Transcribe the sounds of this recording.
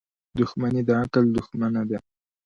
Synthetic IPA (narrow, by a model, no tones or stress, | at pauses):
d̪ʊxmanid̪əakəld̪ʊxmanad̪a